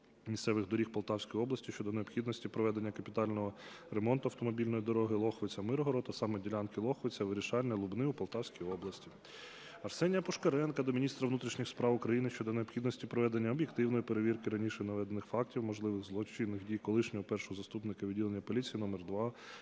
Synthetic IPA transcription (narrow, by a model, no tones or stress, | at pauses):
mʲisʲt̪sɛʋɪɣd̪ɔɾʲixpɔɐlˠt̪ɑwsʲkɔjɔblˠɐsʲtʲiʃt͡ʃɔd̪ɔneɔbxʲid̪nɔsʲtʲipɾɔʋɛd̪e̞nʲːɐkɐpʲit̪ɑlʲnɔɦɔ | remɔnt̪ʊɐwt̪ɔmɔbʲilʲnɔjid̪ɔɾɔɦɪlˠɔxɔʋɪt͡sʲɐmɪɾɦɔɾɔt̪ɐsɑmɛdʲilʲankɪlˠɔxʋɪt͡sʲɐʋɪɾʲiʃɑlʲnʲɐlˠʊbnɪupɔlˠt̪ɑwsʲkʲijɔblˠɐsʲtʲi | ɐrsɛnʲjɐpɔʃkɐɾɛnkɐd̪ɔmʲinʲist̪ɾɐʋnut̪ɾʲiʃnʲixspɾɑwʊkɾɐjinɪʃt͡ʃɔd̪ɔneɔbxʲid̪nɔsʲtʲipɾɔʋɛd̪enʲːɐɔbʲjekt̪ɪwnɔjipeɾeʋʲirkɪɾɐnʲiʃɛnɐʋɛd̪enːɪxfɑk̚tʲiwmɔʒlˠɪʋɪxɣzlˠɔt͡ʃinːɪxdʲijkɔlˠɪʃnʲɔɦɔpɛrʃɔɦɔzɐst̪upnɪkɐʋʲidʲilˠenʲːɐpɔlʲit͡sʲijinɔmɛrd̪ʋɑ